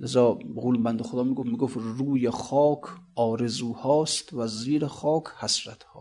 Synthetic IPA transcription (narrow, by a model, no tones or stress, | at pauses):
lezɒːɣulmbænd̪oxod̪ɒːmiːɡofmiːɡofruːjexɒːkʰɒːɾezuːhɒːst̪væziːɾeχɒːkʰhæsɾæt̪hɒ̰ː